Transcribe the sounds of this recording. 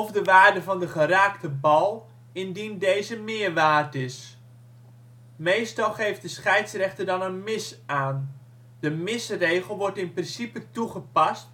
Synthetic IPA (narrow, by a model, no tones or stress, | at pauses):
ɔfdəʋaːrdəvɑndəχəraːktəbɑlˠ | ɪndindejzəmɪːərʋaːrtɪs | mejstɑlˠχejft̚dəsχɛjtsrɛχtədɑnənmɪsaːn | d̥əmɪsrejɣəlˠʋɔɹtɪnprɪnsipətuχəpɑst